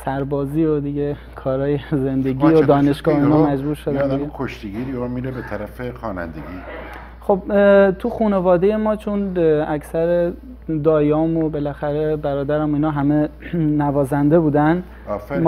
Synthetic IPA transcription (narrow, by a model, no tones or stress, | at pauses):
sæɾbɒːziːod̪iɟe | kʰɒːɾɒːjeze̞nd̪e̞ɡiːod̪ɒːne̞ʃɡɒːhinɒːmæd͡ʒbuːɾʃod̪ænd̪ikʰoʃt̪iɡiɾiɔmiɾebet̪ʰæɾæfexɒːnæ̰nd̪ḛɡiː | χob̚t̪ʰuxuːne̞vɒːd̪e̞je̞mɒːt͡ʃʰonæcʰsæɾe | d̪ɒːjɒːmobe̞læxæɾe̞bæɾɒːd̪æɾæmoiːnɒːɦæme̞nævɒːzænd̪e̞buːd̪ænd̪ | m